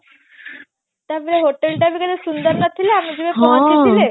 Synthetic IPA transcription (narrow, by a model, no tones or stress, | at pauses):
t̪jabileɦoʈelʈabiːkəd̪esund̪əɾnat̪ʰileamiːd͡ʑiʋepəəitile